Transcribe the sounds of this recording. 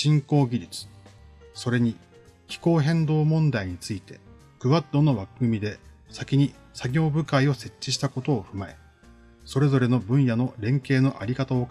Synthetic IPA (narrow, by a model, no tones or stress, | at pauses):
ɕĩŋko̞ːɡʲiɾʲit͡sɨ̥so̞ɾe̞ɲ̟i | çi̥ko̞ːɦẽ̞nd̪o̞ːmõ̞nd̪aiɲ̟it͡sɨit̪e̞ | kɯ̟βat̪ːo̞no̞βakɯ̟ɡɯ̟mʲid̪e̞ | sakʲiɲ̟i | saɡʲo̞ːbɯ̟kaio̞se̞t͡ɕːiɕi̥t̪ako̞t̪o̞ːɸɯ̟mae̞̰ | so̞ɾe̞zo̞ɾe̞no̞bɯ̟̃ɰ̃jano̞ɾẽ̞ŋke̞ːno̞ʔaɾʲikat̪ao̞k